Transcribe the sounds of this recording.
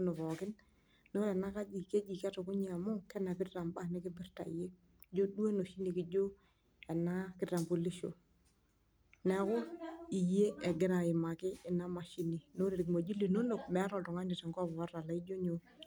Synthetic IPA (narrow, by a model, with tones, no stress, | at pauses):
o˦no˨βɔ˨kɪ˦n | no˦ɾɛ˨na˦ka˦d͡ʒi˨ke˦d͡ʒi˨ka˦tɔ˨kʊ˦ɲ˨a˨mʊ˦kɛ˦na˨kɪ˦dra˨mba˦nɪ˦kɪ˦bi˦ɾta̰˨ḭ˨je˦ | d͡ʒo˦dwe˦no˨ʃi˦ni˨kɪ˨˦d͡ʒo˦ | ɛ˨na˦kɪ˦dɾa˨mbo˨li˦ʃo̰˨ | nɛ˨˦kʊ˦i˨je˦ɛ˨ɡɪ˦ɾa˨ɪ˨ma˨kɪ˦ɪ˨na˦ma˨ʃi˦ni˨no˦ɾe˨ɾi˨kma˨d͡ʒi˦li˨no˦no˨k̚mɛ˨˦ɾɔ˨dɔ˨ŋa˦ɲɪ˨tɛ˨ŋɡɔ˦bɔ˨a˦a˨la˨i˦d͡ʒo˦ɲo˨